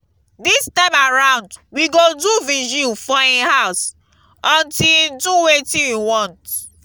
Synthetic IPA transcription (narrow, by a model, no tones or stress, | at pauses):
distãɪ̃maɹãʊ̃ndwiɡoduviʒufɔehaʊs | ɔ̃ntĩduwetĩjuwɔ̃nt